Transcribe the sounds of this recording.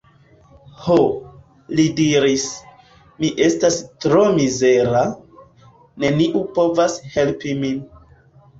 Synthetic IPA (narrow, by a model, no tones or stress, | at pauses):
ho | lidiɾis | miʔe̞stastɾo̞mize̞ɾa | ne̞niʔupo̞vashe̞lpimin